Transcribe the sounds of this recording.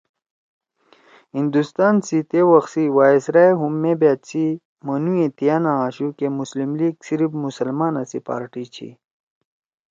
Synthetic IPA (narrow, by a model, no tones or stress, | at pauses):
hind̪ust̪aːnsit̪ewɐxsiwaːesɾajɦumːebat͡sʰi | mɐnuẽt̪ijanaːɕukemuslimliːɡsiɾibmusɐlmaːnɐsipa̰ːɾʈit͡ɕʰḭ